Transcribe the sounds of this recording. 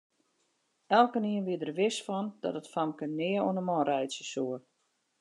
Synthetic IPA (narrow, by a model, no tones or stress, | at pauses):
ɛlˠkəniənʋiədərʋɪsfɔnd̥ɔ̰tətfamkənɪəuənəmɔːɾɛjsjəsuər